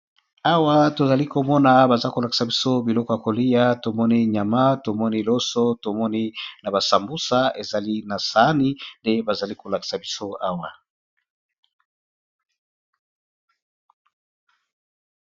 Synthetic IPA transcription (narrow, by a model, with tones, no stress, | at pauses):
a˦wa˦to˨za˨li˦ko˨mɔ˦na˨ba˨za˦ko˨la˨ki̥˨sa˨bi˦so˦bi˨lɔ˦kɔ˦ja˨ko˨li˦ja˦to˨mɔ˦ni˦ɲa˨ma˦to˨mɔ˦ni˦lo˦so˦to˨mɔ˦ni˦na˨ba˨sa˨mbu˦sa˦e˨za˨li˦na˨sa˨˦ni˦nde˦ba˨za˨li˦ko˨la˨ki̥˨sa˨bi˦so˦a˦wa˨